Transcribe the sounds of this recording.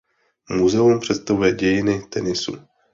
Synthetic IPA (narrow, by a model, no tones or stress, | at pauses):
muzɛumpr̝̥ɛt̪st̪avujɛɟɛjɪnɪt̪ɛnɪsṵ